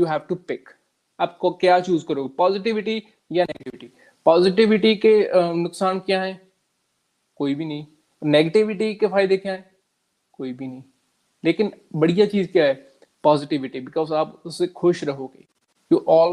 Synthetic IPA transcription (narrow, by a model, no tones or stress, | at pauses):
juːɦɛːʋʈupɪk | aːp̚kokjaːt͡ʃuːzkɐɾoːɡepɔːzɪʈ̬ɪʋɪʈi | janeːɡəʈɪʋɪʈi | pɔːzɪʈ̬ɪʋɪʈikenʊksaːnkjaɦɛː | koːibʱinɐɦĩ | ɔːneːɡəʈɪʋɪʈikefʰaːɪd̪ekjaɦɛː | koːibʱinɐɦĩ | leːkɪn | bɐɽijat͡ʃiːzkjaːɦɛː | pɔːzɪʈɪʋɪʈibɪkɔːzaːpʊsːexʰʊʃɾɐɦoːɡḛː | juːʔɔːl